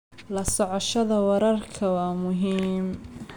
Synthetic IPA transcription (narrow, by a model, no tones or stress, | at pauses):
lɐsɔʕɔʃɐðɐwɑɾɐrkʰɐwɑːmʊɦiːm